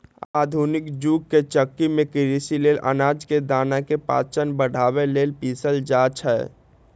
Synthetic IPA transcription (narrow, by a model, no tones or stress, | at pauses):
a̰d̪ʱunɪkd͡ʒuɡ̚ket͡ʃəkːimẽkiɾisilelʔə̰naːd͡ʒked̪aːnakepa̰ːt͡ʃənbəɽ̤ʱaβelelpisəld͡ʒat͡ʃʰɛ